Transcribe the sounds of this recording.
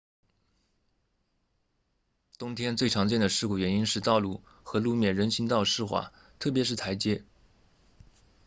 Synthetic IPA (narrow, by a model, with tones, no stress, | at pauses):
t̪ʊ˥ŋt̪ʰjɛ˥nt͡swe˥˩ɪʈ͡ʂʰɑ˧˥ŋt͡ɕjɛ˥˩nd̪ə˩ʂɻ̩˥˧ku˥˩ɥɛ˧˥ni˥nʂɻ̩˥˧t̪ɑ˥˧ʊlu˥˩ | xɤ˧˥lu˥˧mjɛ˥˩nɻə˧˥nɕi˧˥ŋt̪ɑ˥˧ʊʂɻ̩˥˧xwa̰˥˩ | t̪ʰɤ˥˩p̬jɛ˧˥ʂɻ̩˥˩t̪ʰa˧˥ɪt͡ɕjɛ˥